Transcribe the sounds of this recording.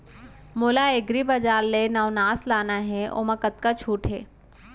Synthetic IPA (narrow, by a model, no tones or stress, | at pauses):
moːlaeɡɾibɐd͡ʒaːlːenɐʊnaːslaːnaɦɛʔo̰ːməkət̪kat͡ʃʰuːʈɦɛ̰ː